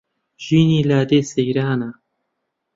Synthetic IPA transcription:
ʒ̥iːniːlaːd̪eːsejɾaːna

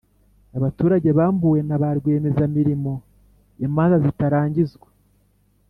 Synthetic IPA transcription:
aβatuːɾaɟe̞βaːmbuːwe̞naβaɾɡwe̞ːme̞zamiɾimo̞ | jemaːnzazitaɾaːɲɟizɡwa

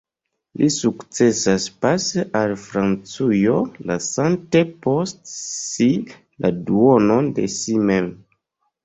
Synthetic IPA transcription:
lʔisukt͡se̞saspaseʔalfɾant͡sujolasante̞po̞stsi | la̰duono̞ndḛsimem

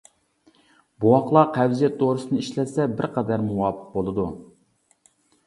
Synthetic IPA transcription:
buwɑqlˠɑqʰæwzijɛt̪ʰːoɾɨsɨnɨiʃlɛsɛbɪɾqʰæd̪æɾmuwɑːpʰə̥q̚bolˠɨd̪u

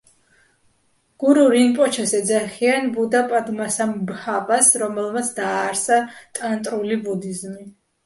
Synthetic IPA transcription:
ɡ̥uɾuɾinpʼɔt͡ʃʰɛsɛd̪zaχianbud̪apʼad̪masambhapʼasɾɔmɛlˠmat̪sʰd̪aːɾsat̪ʼant̪ʼɾulibud̪izmi

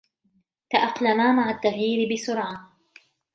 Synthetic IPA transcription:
t̪aʔaqlamaːmaʕat̪ːaɣjiːɾɪbɪsʊɾʕa

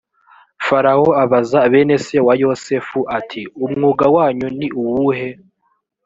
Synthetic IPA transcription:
faɾaoaβazaβe̞ːne̞se̞wajo̞sefuʔatʰiumŋuːɡawaːɲuniʔuwuɦe̞

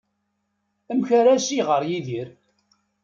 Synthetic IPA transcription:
əmçəɾæsiʁəɾjiðiɾ

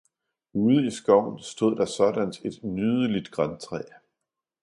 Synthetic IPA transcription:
uːð̞ˠəisɡ̥ɒʊ̰nsd̥o̝ð̰ˠd̥ɑ̈sɒ̽d̥ænd̥e̝d̥nyːð̞ˠəlid̥ɡ̥ʁant͡sʰʁɛ̰ː

